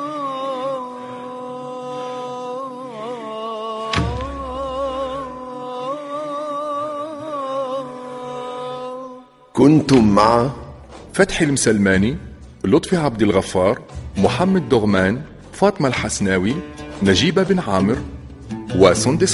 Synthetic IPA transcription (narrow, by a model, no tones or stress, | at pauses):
kʊnt̪ʊmːaʕa | fat̪ħɪlmsalmæːni | lʊt̪ˤfiʕabd̪alɣafːɑːɾˤmʊħamːad̪ːʊɣmaːn | fɑːt̪ˤmalħasnaːwinæʒiːbabɪnʕaːmɪɾ | wasˤʊnd̪ɪs